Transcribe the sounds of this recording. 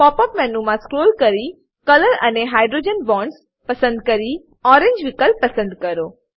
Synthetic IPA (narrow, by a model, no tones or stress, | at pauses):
pɔpəpmɛnumãskɾoːlkəɾi | kələɾə̰neɦaːjɖɾod͡ʒənbɔ̃ɳɖs | pəsə̃nd̪̚kəɾi | ɔɾẽɲd͡ʒʋɪkəlpəsə̃nd̪kəɾo